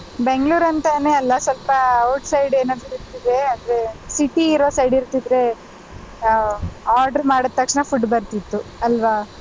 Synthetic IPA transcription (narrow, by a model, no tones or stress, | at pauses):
beŋɡɭuːɾɐnt̪ɐneːɐlːɐsʋɐlpɐoːʈsɐjɖeːnɐd̪uiɾt̪ːid̪eaːd̪ɾesiʈiːɾoːsɐjɖiɾt̪id̪ɾe̞ | aːɾɖɐɾmaːɽɐt̪ːɐkʂɳɐfuɖbɐɾt̪it̪ːuɐlʋa